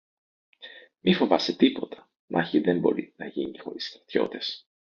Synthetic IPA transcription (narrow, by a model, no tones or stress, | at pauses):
mifo̞vɐset̪ipo̞t̪ʰɐ̥ | mʔɐçiðembo̞ɾḭnɐʝinixo̞̰ɾist̪ɾɐt̪ço̞̰t̪e̞s